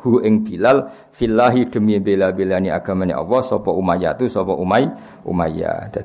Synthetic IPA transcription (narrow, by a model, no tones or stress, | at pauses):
ɡ̥uʔɪŋb̥ilal | filːaɦid̥ə̤mibelabelaniʔa̰ɡ̥amaniʔa̰wɔsɔpɔʔumaja̰t̪usɔpɔʔumaj | ʔṵmaja̰d̪a